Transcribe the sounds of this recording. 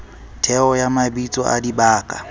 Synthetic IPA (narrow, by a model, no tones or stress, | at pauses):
tʰɛɔjamabit͡sʼɔ̰ʔa̰dibaːkʼa